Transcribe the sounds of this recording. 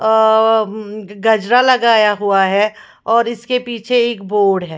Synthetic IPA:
ɡɐd͡ʒɾalɐɡaːjaɦuaɦɛː | ɔːɾɪskepiːt͡ʃʰeeːkboːɾɖɦɛː

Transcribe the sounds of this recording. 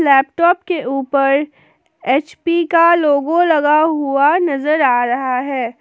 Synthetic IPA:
lɛːp̚ʈɔːpkeʔuːpəɾ | eːt͡ʃpikaloːɡõlɐɡaɦuanɐzəɾaːɾɐɦaɦɛː

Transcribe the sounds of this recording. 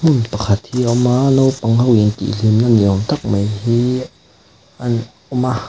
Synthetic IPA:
m̥unpakʰat̪̚hiːʔɔmanowpaŋhawnt̪ḭlimnaniʔɔmt̪ak̚majhi | ʔan | ɔma

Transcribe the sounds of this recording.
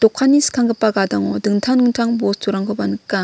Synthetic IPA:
tɔkʰːanːiskʰaŋɡɯpːaɡadaŋɔdɯŋtʰaŋɯŋtʰaŋbostuɾaŋkʰɯbanɯkːa

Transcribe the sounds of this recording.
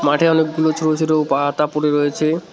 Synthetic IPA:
maʈʰeɔnek̚ɡulot͡ʃʰoɾot͡ʃʰoɾopaat̪apoɾeɾɔjet͡ɕʰe

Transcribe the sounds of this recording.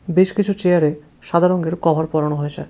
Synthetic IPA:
beʃkit͡ɕʰut͡ɕejaɾe | ʃad̪ʱaɾoŋɡeɾkɔbʱaɾpɔɾanoɦojet͡ɕʰa

